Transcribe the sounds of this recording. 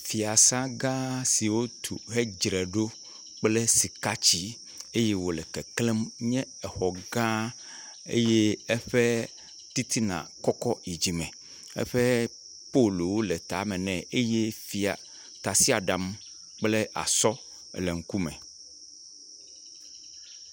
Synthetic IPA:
fi˨a˨sã˦ɡã˦si˨wo˦t̪ʰu˨ɦe˦d͡ʒɾɛ˨ɖo˦ | k͡ple˦si˨ka˦t͡ɕi˦ | e˦je˦wo˨lɛ˨kɛ˨kle˦mɲɛ̃˦ | ɛ˨xɔ˨ɡã˦ | ḛ˦je˦ɛ˦ɸɛ˦ | t̪i˦t̪ʰi˦nã̰˨kɔ˦kɔ˦i˨d͡ʑi˨mɛ̃˨ | ɛ̰˦ɸɛ˦ | po˦lu˨wo˦lɛ˨t̪a̰˨˦mɛ̃˨nɛ̃˨e˦je˦fi˨a̰˨ | t̪a˨si˦a˨ɖa˨m | k͡ple˦ʔa̰˨sɔ˦ | le˨ŋ̩˦ku˦mɛ̰̃˨

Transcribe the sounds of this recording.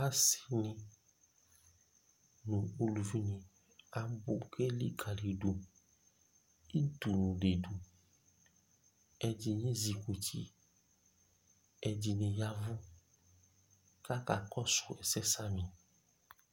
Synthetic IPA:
a˦si̥˦nɪ̃˨ | nʊ̃˨o˨lu˨vi˦nĩ˨ | a˨bʊ˨ke˦lḭ˦ɡa˨li˨du˨ | i˦d̪u˨nũ˨de˨du˨ | ɛ˨d͡ʒi˨ɲĩ˦zi˨kʷu˨tʰḭ˨ | ɛ˨d͡ʒi˨nɪ̃˨ja˦vʊ˦ | ka˦ka˨kɔ˦sʊ̥˨ɛ˨sɛ˦sa˦mĩ˨

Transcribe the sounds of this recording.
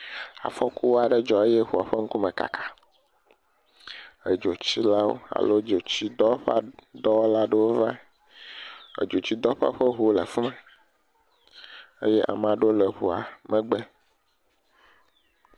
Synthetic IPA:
a̰˨fɔ˦ku˦wo˦a˨ɖe˦d͡ʒɔ˨e˦jɛ˦ɦu˨a˨ɸe˦ŋ̩˦ku˦mẽ˨ka̰˨kʰḁ˨ | e˨d͡ʒo˨t͡ɕi˦la˦wo̰˦a̰˨lo˦d͡ʒo˨t͡ɕi˦d̪ɔ˦ɸa˦d̪ɔ˦wo˦la˦ɖe˦wo˦vã˦˨ | ḛ˨d͡ʒo˨t͡ɕi˦d̪ɔ˦ɸa̰˦ɸe˦ɦu˦lḛ˨fu˦mɛ˨ | e˦jɛ˦ʔa̰˨mã˨ɖo˦le˨ɦu˨a˨mɛ̃˦ɡ͡bɛ˦

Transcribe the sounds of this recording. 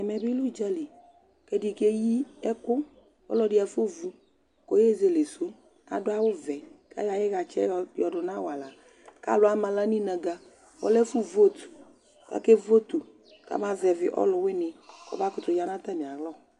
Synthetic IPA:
ɛ˨mɛ˨bi˦lu˦˨d͡ʒa˦li˨ | ke˦di˨ke˦ji˦ɛ˦kʊ˦ | ɔ̰˦lɔ˦dɪ˦a˨fo˦vu˦ | ko˨je˦˨ze˨le˨so˦ | a̰˨dʊ˦a˦wʊ˦vɛ˨ka̰˦ja˨jɪ˦ɣa˨t͡ʃɛ̰˦˨jɔ˨dʊ˨nã˦wa˨la˨ | ka̰˦lʊ˨˦a˦mã˨la˦nĩ˦nɛ̃˨ɡa˨ | wɔ̰˦lɛ˦fu˦vo˦t̪u̥˨ | a̰˦ke˦vo˦t̪u˨ | ka̰˨˦mã˨vɛ˨vɪ̰˨ʔɔ̰˦lʊ˨wɪ˦nɪ̃˨kɔ̰˨ba˦kʊ˨˦t̪ʊ˨ja˨nã˦t̪a˦mĩ˨a˨ɣlɔ˦˨

